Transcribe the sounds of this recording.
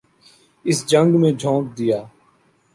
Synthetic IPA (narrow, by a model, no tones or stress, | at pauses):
ɪsd͡ʒə̃ŋɡmẽːd͡ʒʱõːk̚d̪ɪjaː